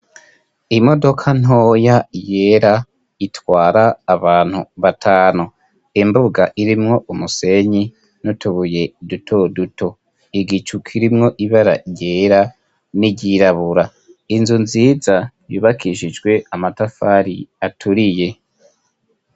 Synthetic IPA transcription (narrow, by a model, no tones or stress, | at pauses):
imo̞do̞kʰan̥ojaje̞ɾa | itwaːɾaːβaːn̥huβatʰaːnu | imbuɡaʔiɾimŋo̞ʔumuse̞ɲi | nutuβuje̞dutʰoduto̞ | iɡit͡ʃukʰiɾimŋo̞ʔiβaɾa̰jeːɾa | niɟiɾaβuɾa | inzunziːza | jṵːβakʰiʃid͡ʒɡwe̞amatafaɾiatʰuɾije̞